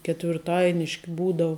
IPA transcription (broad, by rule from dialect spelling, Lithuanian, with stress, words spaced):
kʲɛtʲʋʲɪrˈtɐɪnʲɪʃʲkʲɪ ˈbuːdɐʊ